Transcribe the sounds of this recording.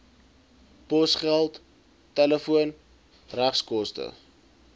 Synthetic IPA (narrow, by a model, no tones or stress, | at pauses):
pɔsχælˠt | tɛləfuən | ræχskɔstə̰